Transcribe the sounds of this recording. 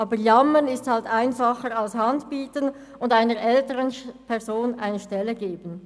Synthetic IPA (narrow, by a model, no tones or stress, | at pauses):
ʔɑːbəjɑmənɪsthaltaɪnfɑχəʁɑlshɑndpiːtən | ʊndaɪnəʁʔɛltəʁənpʰɛʁzoːnʔaɪnəʃtɛlːəɡeːbən̩